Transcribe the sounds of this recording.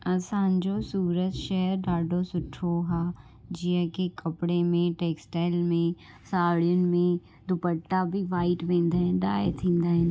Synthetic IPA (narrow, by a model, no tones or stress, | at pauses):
ɐsãːnd͡ʒosuːɾət̪ʃɛɦəɾɖaːɖosʊʈʰoɦaː | d͡ʒijãkekɐpɽemẽʈeːksʈaːɪlmẽ | saːɽijʊnɪ̆mẽ | d̪ʱʊpəʈːabʱiʋaːɪʈʋẽːnd̪aːɦɪ̃nɖaːet̪ʰĩːnd̪aːɦɪn